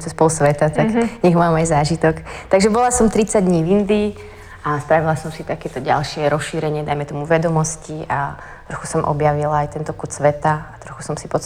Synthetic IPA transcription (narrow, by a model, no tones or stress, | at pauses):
t͡sɛspɔlusʋɛt̪at̪aɡɲɛɣmaːmajzaːʒit̪ɔkt̪aɡʒɛbɔlasɔmt̪ɾit͡saɟd̪ɲiːvind̪iː | ʔast̪ɾaʋilasɔmsit̪akɛt̪ɔɟa̰lʃɪɛɾɔsʃiːɾɛɲɪɛd̪ajmɛt̪ɔmuʋɛd̪ɔmɔsciʔa | t̪ɾɔxu̥sɔmʔɔ̰bjaʋilaajt̪ɛnt̪ɔkut̪sʋɛt̪aat̪ɾɔxu̥sɔmsipɔ